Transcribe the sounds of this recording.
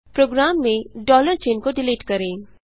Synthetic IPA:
pɾoːɡɾaːmːẽɖɔːləɾt͡ʃeːnkoɖɪliːʈkɐɾẽː

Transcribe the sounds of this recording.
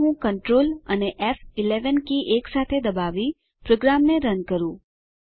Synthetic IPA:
ɦũkəɳʈɾoləneʔɛfɪleʋənkiʔeksat̪ʰed̪əbaʋi | pɾoɡɾamneɾənkəɾũ

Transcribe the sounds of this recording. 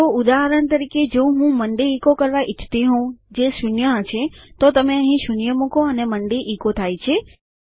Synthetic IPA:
oʊd̪aɦəɾəɳt̪əɾiked͡ʒoɦũməɳɖiikokəɾʋaʔɪt͡ʃʰt̪iɦũd͡ʒeʃunjət͡ʃʰet̪ot̪əmeəɦĩʃʊnjəmũkoəneməɳɖiʔikot̪ʰajt͡ʃʰe

